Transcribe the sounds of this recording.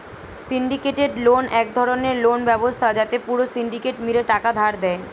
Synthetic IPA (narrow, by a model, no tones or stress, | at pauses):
siɳɖikeʈeɖlonɛk̚d̪ʱɔɾoneɾlonbɛbost̪ʰad͡ʑat̪epuɾosiɳɖikeʈmiɾeʈakad̪ʱaɾd̪ɛe